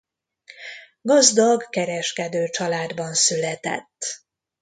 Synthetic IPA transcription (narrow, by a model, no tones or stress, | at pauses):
ɡɒzd̪ɒɡkɛɾɛʃkɛd̪øːt͡ʃɒlaːd̪bɒnsylɛt̪ɛ̰t̪ː